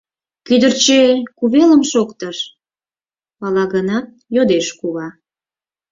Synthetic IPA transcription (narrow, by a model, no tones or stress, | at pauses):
kyd̪ərt͡ɕekuβeləmʃokt̪əʃ | pɑlɑɣənɑt̪̚ | jod̪eʃkuβɑ